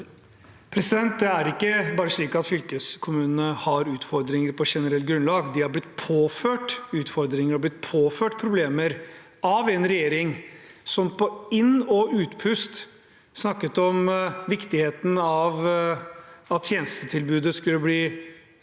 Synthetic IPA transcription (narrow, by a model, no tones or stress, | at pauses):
pʰɾɛsɪd̪ɛnt̪̚d̪ɛæɾɪkːəbɑːɾəʂɭiːkɑt̪fʏlkəskʰʊmʉːnənəhɑɾʉːt̪fɔɾd̪ɾɪŋəɾpʰɔʂɛnəɾɛlɡɾʉnlɑːɡd̪ɪhɑɾblɪt̪ːpʰoːføːʈʉːt̪fɔɾd̪ɾɪŋəɾɔblɪt̪̚pʰoːføːʈpʰɾʊbleːməɾ | ɑʋɛnɾɛjeːɾɪŋsɔmpɔɪnːɔʔʉːt̪pʰʉst̪ | snɑkːət̪ɔmʋɪkt̪ɪheːt̪n̩ɑʋ | ɑt̪ʰjeːnəst̪ət̪ʰɪlbʉːd̪əskʉlːəbliː